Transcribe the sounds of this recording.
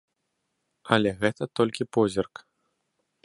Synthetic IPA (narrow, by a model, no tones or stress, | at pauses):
ɐlʲɛɣɛt̪ɐt̪ɔlʲkʲipɔzʲirk